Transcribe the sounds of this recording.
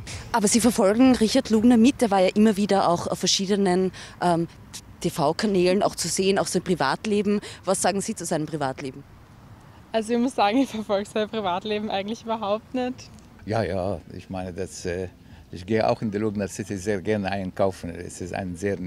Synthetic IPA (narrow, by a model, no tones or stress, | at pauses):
ʔaːbɐziːfɛɐfɔlɡŋ̩ʁɪçɐtluːɡnɐmɪt̚d̥eːɐvaːɐjaːʔɪmɐviːdɐʔa̰ʊxaʊfːɛɐʃiːdənənʔɛm | tʰefaʊkʰanɛːləna̰ʊxt͡suzeːənaʊxsaɪnpʁ̥iva̰ːtleːbm̩vasz̥aːɡŋ̩z̥iːt͡suzaɪnəmpʁivaːtleːbm̩ | ʔalzoɪçmʊsz̥aːɡŋ̩ɪçfɛɐfɔlkz̥aɪɐpʁ̥ivaːtleːbm̩ʔaɪɡŋ̩tlɪçybɐɦaʊp̚tnɛt | jaːjaːɪ̰çmaɪnədasɛ | ʔɪçɡ̥eːəʔa̰ʊxɪndiluːɡnəsɪtɪzeːɐɡɛʁnəʔaɪnkʰaʊfn̩ɛ̰sɪsta̰ɪnzeː